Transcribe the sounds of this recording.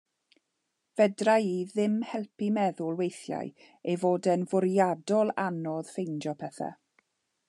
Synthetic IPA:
v̥ɛdrajiðɪmhɛlˠpimɛðʊlˠwejθja̰j | ejvoːdɛnvʊɾjadɔlˠa̰nɔð̥fejnd͡ʒɔpʰɛθa̰

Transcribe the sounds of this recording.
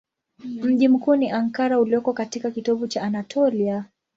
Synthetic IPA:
m̩ʄim̩kuːniʔaŋkaɾauliɔkɔkatikakitɔɓut͡ʃaːnatʰɔlia

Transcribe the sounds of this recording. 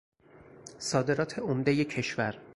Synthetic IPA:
sɒːd̪e̞ɾɒːt̪ʰe̞omd̪ejecʰe̞ʃvæɾ

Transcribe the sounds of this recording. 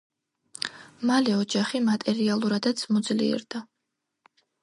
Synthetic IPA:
malɛɔd͡ʒaχimat̪ʼɛɾialˠuɾad̪at̪sʰmɔd̪zlḭɛ̰ɾd̪a

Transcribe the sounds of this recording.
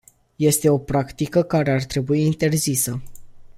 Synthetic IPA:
je̞st̪e̞o̞pɾakt̪ikəkaɾe̞art̪ɾe̞buiːnt̪e̞rzisə

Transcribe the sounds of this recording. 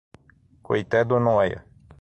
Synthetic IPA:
kojt̪ɛd̪onoɛjɐ̰

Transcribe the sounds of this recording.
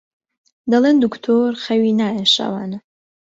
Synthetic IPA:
d̪ɐleːnd̪ukt̪ʰoːɾxɐwiːnaːjeʃa̰ːwaːnɐ

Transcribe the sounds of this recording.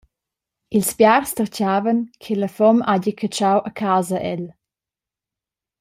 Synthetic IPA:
ilspjarstərcaːvənkʰeləfɔmaɟəkʰət͡ʃawʔəkʰaːzəʔɛ̰l

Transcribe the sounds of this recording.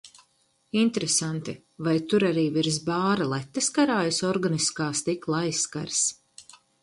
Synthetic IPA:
int̪ɾesant̪i | vajt̪uɾaɾiːviɾzbaːɾalˠɛt̪ːeskaɾaːjasɔɾɡaniskaːst̪iklˠajsːka̰ɾs

